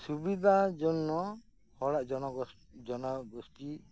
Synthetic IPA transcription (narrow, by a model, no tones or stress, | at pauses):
subid̪ʱad͡ʒɔnːɔ | hɔɽaʔd͡ʒɔnɔɡɔ | d͡ʒɔnɔɡɔsʈi